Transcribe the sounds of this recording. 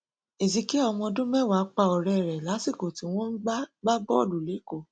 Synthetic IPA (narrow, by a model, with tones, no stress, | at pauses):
e˨zi˧ki˦ɔ˧mɔ̃˧dũ˦mɛ˦˨wa˨˦k͡pa˧˨ɔ˨ɾɛ˨ɾɛ˨la˨˦si˦˨ko˨ti˨˦w̃ɔ̃˦n̩˦ɡ͡bɡ͡ba˦bɔ˦˨lu˨le˨˦ko˨